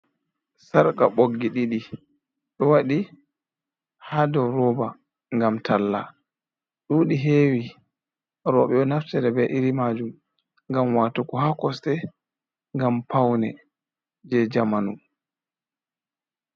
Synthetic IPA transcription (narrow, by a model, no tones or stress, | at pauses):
saɾkaɓoɡːiɗiɗi | ɗɔwaɗi | hadɔɾɔːba | ŋɡamtʰalːa | ɗuːɗiɦeːwi | ɾɔɓɛɔnaftɛɾɛbɛʔiɾimad͡ʒum | ŋɡamwaːtukɔhakɔstɛ | ŋɡampawnɛ | d͡ʒɛd͡ʒamanu